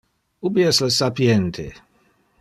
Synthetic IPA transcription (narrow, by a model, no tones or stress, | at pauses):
ubiɛsləsapjɛnt̪ʰe